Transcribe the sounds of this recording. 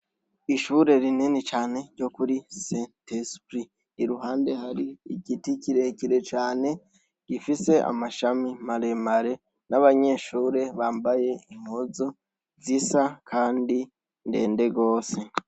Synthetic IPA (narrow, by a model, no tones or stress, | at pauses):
iʃuɾe̞ɾininit͡ʃaːne̞ɟɟo̞kuɾisentespɾiː | ɾuɦaːnde̞haɾiːɟiticiɾe̞ciɾe̞t͡ʃaːne̞ | ɟ̥ifise̞ʔa̰maʃamimaɾe̞maɾe̞ | naβaɲe̞ːʃuːɾe̞βaːmbaje̞imozo | zisakʰaːndi | nde̞̰ːnde̞ɡo̞ːse̞